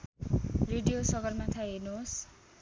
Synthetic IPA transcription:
reɖijosʌɡʌrmat̪ʰaɦenuɦos

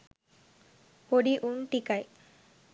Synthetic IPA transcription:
poɽiʔunʈikaj

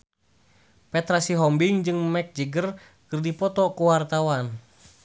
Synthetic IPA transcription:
pɛt̪ɾasiɦɔmbiŋd͡ʒɨŋmɛk̚d͡ʒiɡər | kɨrdipɔt̪ɔkuwart̪awan

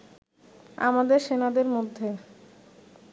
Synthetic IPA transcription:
a̰mad̪eɾʃenad̪eɾmod̪ʱːe

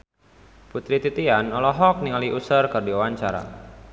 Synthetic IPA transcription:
put̪ɾit̪it̪ianɔlɔɦɔk̚niŋaliʔusərkərdiwawaɲt͡ʃaɾa̰

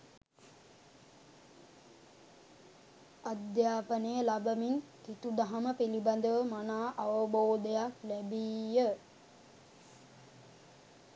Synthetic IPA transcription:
ad̪jaːpənəjəlabəmint̪it̪ud̪aɦɐməpiliband̪əʋəmanaːʔaʋəboːd̪əjaklæbiːjə

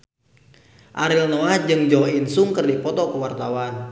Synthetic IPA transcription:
ʔaɾilnɔad͡ʒɨŋd͡ʒɔinsuŋkərdipɔt̪ɔkəwart̪awan

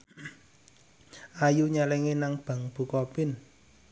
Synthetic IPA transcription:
ʔajuɲalɛŋenaŋb̥a̤ŋb̥ṳkɔpɪn

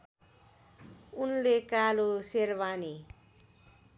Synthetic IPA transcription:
unlekaloseɾbani

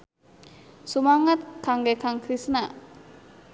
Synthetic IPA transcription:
sumaŋət̪̚kaŋɡekaŋkɾisna

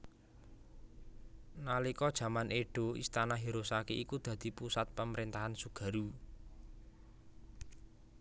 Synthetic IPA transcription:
nalikɔd̥ʒ̥ä̤maneɖ̥o̤ḭst̪anaɦiɾosakeʔikud̪̥ä̤d̪̥i̤pusat̪̚pəməɾint̪aɦansuɡ̥ä̤ɾu

